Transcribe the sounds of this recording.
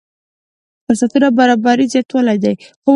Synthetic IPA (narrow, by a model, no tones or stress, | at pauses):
p̪əsat̪iɾabaɾɑbaɾizjɑt̪wɑlajd̪ajxo